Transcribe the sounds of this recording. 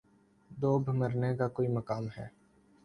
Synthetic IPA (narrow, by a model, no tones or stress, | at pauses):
d̪oːbʱməɾnekakoːiməkaːmɦɛ̰ː